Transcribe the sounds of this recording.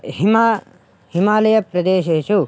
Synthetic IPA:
ɦima | himaːlɐjɐpɾɐd̪eːʃeːʃu

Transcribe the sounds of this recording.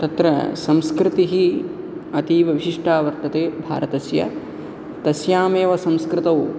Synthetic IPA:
t̪ɐt̪ɾɐ̰sɐmskɾɪt̪iɦi | ɐt̪iːʋɐʋiʃiʂʈʰaːʋɐɾt̪ɐt̪eːbʱa̰ːɾɐt̪ɐsjɐ̰ | t̪ɐsjaːmeːʋɐsɐ̃mskɾɪt̪ɐw

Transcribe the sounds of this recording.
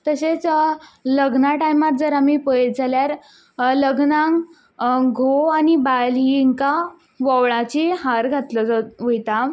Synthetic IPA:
t̪əset͡sləɡnaʈajmaɾd͡zəɾam̤iːpəjld͡zʱaljaɾ | ləɡnãŋ | ɡʱoanibaliŋka | ʋɔʋɭat͡ɕiːhaɾɡʱat̪ləd͡zʋəjt̪a

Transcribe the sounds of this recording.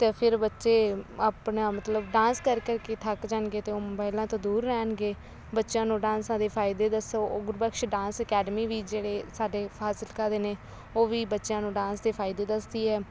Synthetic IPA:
t̪eːpʰɪɾbətːʃeːaːpnaːmət̪ləbɖãːnskəɾkəɾkeːt̪ʰəkd͡ʒaːnɡeːt̪eːoːmʊbaːɪlãːt̪õːd̪uːɾːɛːnɡeː | bətːʃãːnũːɖãːnsãːd̪eːpʰaːɪd̪eːd̪əsoɡʊɾbəkʃɖãːnsəkɛːɖəmiːʋiːd͡ʒeːɽeːsaːɖeːpʰaːsɪlkəɾd̪eːneː | oːʋiːbətːʃjãːnũːɖãːnsd̪eːpʰaːɪd̪eːd̪əsd̪iːɦɛː

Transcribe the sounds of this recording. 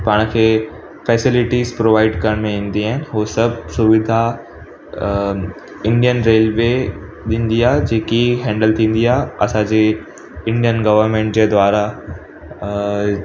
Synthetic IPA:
paːɽ̃kʰeː | fɛːsɪlɪʈizpɾoːʋaːɪɖkɐɾəɽ̃mẽĩːn̆d̪iaːɦɪnɪ̆ɦoːsɐbʱsʊʋɪd̪ʱa | ɪ̃ɳɖijənɾeːlʋe | ɗĩːn̆d̪iaːɦed͡ʑeːkiɦɛ̃ːɳɖəlt̪ʰĩːn̆d̪iaːɦeɐsãd͡ʑeː | ɪ̃ɳɖijənɡɐʋəɾmẽːɳʈd͡ʑeːd̪waːɾa

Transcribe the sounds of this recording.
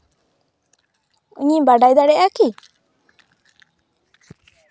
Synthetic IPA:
ṵɲibaɖajd̪aɽɛʔaki

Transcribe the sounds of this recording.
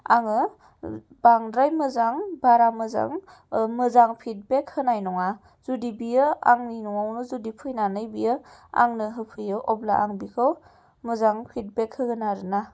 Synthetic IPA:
aŋɯ | baŋɾajmɯzaŋbaɾamɯza̰ŋ | mɯzaŋpʰit̚bekhɯnajnɔŋa | z̥udibijɯa̰ŋninɔŋawnɯzudipʰɯjnanɯjbijɯa̰ŋnɯɦɯpʰɯjɯʔɔbla̰ʔaŋbikʰɯw | mɯzaŋpʰit̚bekʰhɯɡɯnaɾɯna

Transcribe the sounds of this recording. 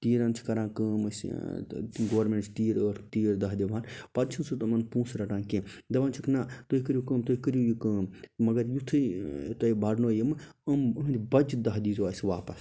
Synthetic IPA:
t̪iːɾaːnt͡ʃʰi̥kɐɾãːkəːmɐs | ɡoʋɐɾmeɳʈt͡ʃʰt̪iːɾəɾt̪iːɾd̪ɐɦd̪iʋãːnpɐt͡ʃʰinsut̪ɐmɐnpũːsɾɐʈãːnkẽd̪ɐʋaːnt͡ʃʰikʰnaːt̪oikɨɾʲjukəːmt̪oːɦikɨɾjujukəːmmɐɡɐɾjut̪ʰɨt̪ɐibaɽnoːjimɨəməɦnd̪ʲibɐd͡ʒd̪ɐɦd̪iːzaːsʲʋaːpɐs

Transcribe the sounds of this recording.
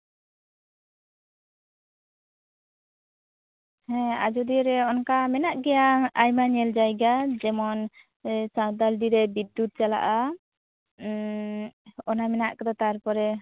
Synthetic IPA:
hɛ̃a̰d͡ʒud̪iɾɛɔnkamɛnaʔɡɛjaajmaɲɛld͡ʒajɡad͡ʒɛmɔn | sãd̪alɖiɾɛbid̪ːut̪̚t͡ʃala̰ʔa | ɔnamɛnaʔkɛd̪ɔt̪ajaɾpɔɾɛ

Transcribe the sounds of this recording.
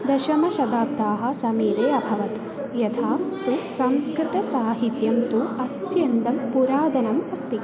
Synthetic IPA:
d̪ɐʃɐmɐʃɐd̪aːp̚d̪aːɦɐ̆sɐmiːʋeːɐbʱɐʋɐt̪ | jɐt̪ʰaːt̪usɐmskɾɪt̪ɐsaːɦit̪jɐmt̪uɐt̪jɐnd̪ɐmpuɾaːd̪ɐnɐmɐst̪i

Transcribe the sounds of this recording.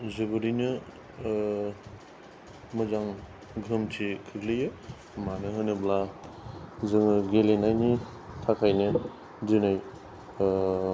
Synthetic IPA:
zɯbɯɾinɯ | mɯzaŋ | ɡɯmtʰikʰɯklɯjɯ | manɯɦɯnɯbla | zɯŋɯɡelenajni | tʰakʰajnɯ | dɯnaj

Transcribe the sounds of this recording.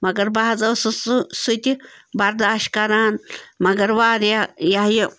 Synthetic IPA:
maɡəɾbahd͡zawssut̪ʲibaɾd̪aʃkaɾanmaɡəɾbaɾjajahjə

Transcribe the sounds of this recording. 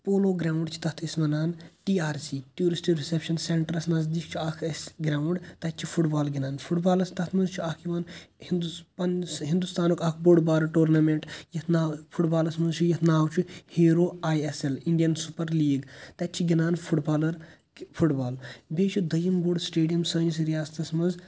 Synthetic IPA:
poːloːɡɾaːwɳɖt͡ʃʰi̥t̪ɐt̪ʰismɐnaːnʈiːaːɾsiːʈjuːɾisʈikɾisepʃɐnseɳʈɐɾɐsnɐzd̪iːk̚ʰt͡ʃʰiaːkʰɐsɡɾaːuɳɖt̪ɐt͡ʃʰifʰuʈbaːlɡʲinaːnpʰuʈbaːlɐst̪ɐt̪ʰmɐnzt͡ʃʰuaːkʰiʋaːnhind̪upɐnɦind̪ust̪aːnokɐk̚ʰboːɖbaːɾɐʈoːɾnɐmeɳʈjɐt̪ʰnaːpʰuʈbaːlɐsmɐnzt͡ʃʰujɐt̪ʰnaːwt͡ʃʰuheːɾoːaːjeseliɳɖijɐnsupɐɾliːɡt̪ɐt͡ʃʰiɡʲinaːnpʰuʈbaːlɐɾ | pʰuʈbaːlbeːt͡ʃʰud̪ɐjimboɖsʈeːɖijɐmsɐːnis̬ɾijaːst̪ɐsmɐnz

